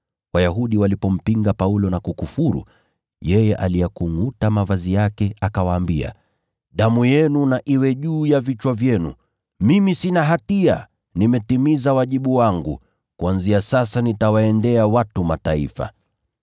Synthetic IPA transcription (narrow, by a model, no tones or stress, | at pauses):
wajaɦuɗiwalipɔm̩piŋɡapaulɔnakukufuɾṵ | jɛjɛʔalijɛkuŋutamavazijakɛakawaːmbia̰ | ɗamujɛnunaʔiwɛʄuːjavit͡ʃwavjɛnṵ | mimisinaɦatia̰ | nimɛtimizawaʄiɓuwaŋɡṵ | kuanziasasanitawaɛndɛawatumataḭfa̰